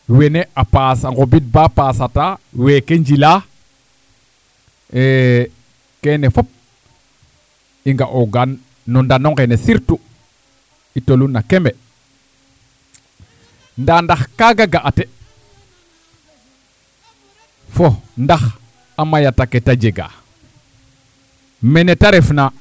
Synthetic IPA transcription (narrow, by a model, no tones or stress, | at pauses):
weneʔapasaŋɡobit̚bapaːsatawekeɲd͡ʒila | e | kenefop̚ | iŋɡaʔoɡanː | ɔndanoŋɡenesiɾtu | itolunːakeme | ndandaxkaɡaɡaʔate | fondax | amajataketad͡ʒeɡa̰ | menetaɾefna